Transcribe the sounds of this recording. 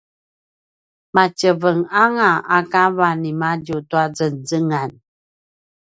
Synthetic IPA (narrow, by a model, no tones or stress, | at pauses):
mat͡ɕəvəŋaŋaakavanimaɟutuad͡zənzəŋan